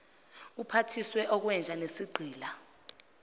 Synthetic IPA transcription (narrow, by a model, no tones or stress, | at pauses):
upʰatʰiswɛʔɔk̬wɛnd͡ʒʱanesiɡ͡ǀʱiːla